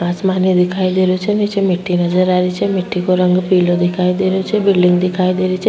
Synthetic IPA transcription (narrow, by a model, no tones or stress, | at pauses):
asmaned̪ɪkʰaid̪eɾjot͡ʃʰenit͡ʃemɪʈːinəd͡ʒəɾaɾit͡ʃʰemɪʈːikoɾəŋɡpilod̪ikʰaid̪eɾjot͡ʃʰebɪlɖɪŋɡd̪ikʰaid̪eɾit͡ʃʰe